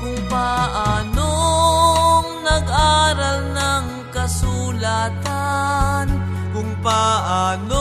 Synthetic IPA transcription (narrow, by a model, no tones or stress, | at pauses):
kʊŋpaʔaːno | ŋnɐɡʔaːɾɐlnɐŋ | kɐsulaːt̪an | kʊŋpaʔaːno